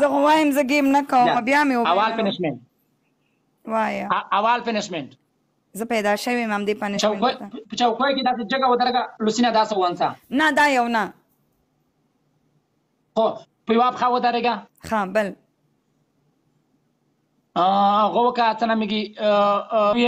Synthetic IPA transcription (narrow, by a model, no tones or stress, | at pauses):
zəɣowɑjəmzəɡemnakawəmabjɑmewoawɑlpɪnɪʃmeɳʈ̚ | wajaawɑlpenɪʃmeɳʈ | zəpajd̪ɑʃəwimhamd̪epanɪʃt͡ʃawoj̪apət͡ʃawkojked̪ɑs̬ed͡ʒəɡawəd̪aɾeɡalusinad̪ɑsawant͡sanad̪ɑjawna | xo | pəjwapxawəd̪aɾeɡa | xabəl | ɣowəkat͡sənamiɡi